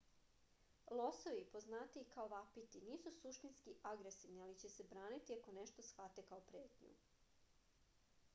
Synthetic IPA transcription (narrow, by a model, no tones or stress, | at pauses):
lˠosoʋipoznaːt̪ikaoʋapit̪iniːsusuʃt̪inskiʔaɡɾesiʋnialit͡ɕe̞se̞bɾaːnit̪iako̞neʃt̪o̞sxʋat̪e̞kaopɾeːt̪ɲṵ